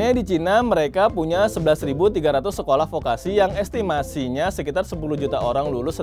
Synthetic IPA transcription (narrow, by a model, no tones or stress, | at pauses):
edit͡ʃinaməɾekapuɲasəbəlasɾibut̪iɡaɾat̪ʊsːəkolahfokasijaŋɛst̪imasiɲasəkit̪arsəpulud͡ʒut̪aoɾaŋlulʊsə